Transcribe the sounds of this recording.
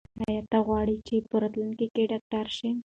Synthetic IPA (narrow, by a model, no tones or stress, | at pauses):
hajat̪aɣwɑɽit͡ʃepəɾat̪lunkekeɖɑk̚ʈaɾʃi